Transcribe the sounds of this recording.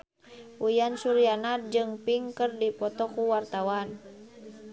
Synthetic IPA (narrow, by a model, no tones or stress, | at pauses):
ujansuɾianad͡ʒɨŋpiŋkərdipɔt̪ɔkuwart̪awan